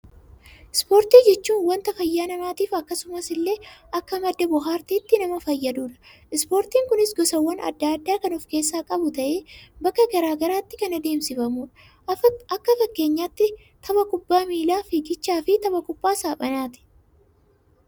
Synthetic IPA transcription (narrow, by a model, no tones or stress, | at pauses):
ɪspo̞ːɾt̪iːd͡ʒɛt͡ʃːuːnwɐnt̪ɐfɐjːaːnɐmaːt̪iːfɐkːɐsʊmɐsɪlːe̞ːɐkːɐmɐd̪ːɐbʊɦaːɾt̪iːt̪ːɪnɐmɐfɐjːɐd̪uːᶑɐ̥ | ɪspo̞ːɾt̪iːŋkʊnɪsɡɔsɐwːɐnʔɐ̰d̪ːɐːd̪ːaːkɐnɔfke̞ːsːaːkʼɐbʊt̪ɐʔeːbɐkːɐɡɐɾaːɡɐɾaːt̪ːɪ̥kɐnɐd̪e̞ːmsɪfɐmuːᶑɐ̥ | ɐkːɐfɐkːe̞ːɲːaːt̪ːɪ | t̪ʰɐβɐkʼʊbːaːmiːlaːfɪɡɪt͡ʃːaːfɪt̪ɐbɐkʼʊbːaːsaːpʼɐnaːt̪ɪ̥